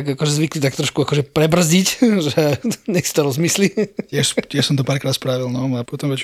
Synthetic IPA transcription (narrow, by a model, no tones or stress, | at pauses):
ɡakɔʒɛzʋiklit̪akt̪ɾɔʃkuakɔʒɛpɾɛbr̩zicʒɛɲɛxsi̥t̪ɔɾɔzmislitɪɛʃtɪɛʃsɔmt̪ɔpaːɾkɾaːt̪spɾaʋilnɔapɔt̪ɔmʋɛt͡ʃ